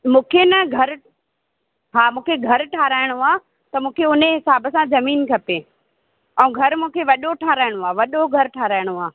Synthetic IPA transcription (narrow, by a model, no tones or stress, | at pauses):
mũːkʰenɐɡʱɐɾ | ɦaːmũːkʰeɡʱɐɾʈʰaːɾaːɪɽ̃oaː | t̪ɐmũːkʰeʊneɦɪsaːbəsãzɐmiːnkʰɐpeː | ɛ̃ũɡʱɐɾmũːkʰeʋɐɗoʈʰaːɾaːɪɽ̃oaːʋɐɗoɡʱɐɾʈʰaːɾaːɪɽ̃oaː